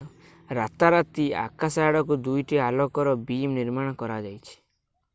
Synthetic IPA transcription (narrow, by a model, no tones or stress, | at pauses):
ɾat̪aɾat̪ia̰kasaaɽɔkud̪ujʈialɔkɔɾɔbimniɾmãɔkɔɾad͡ʒajt͡ʃʰi̥